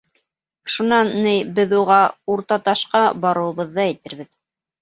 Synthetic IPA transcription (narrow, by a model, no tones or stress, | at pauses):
ʃunɑnːɘjbɘðuʁɑuɾt̪ɑt̪ɑʃqɑbɑɾɤ̆wɤ̆βɤ̆ðːɑæ̆jt̪ɘ̆ɾbɘð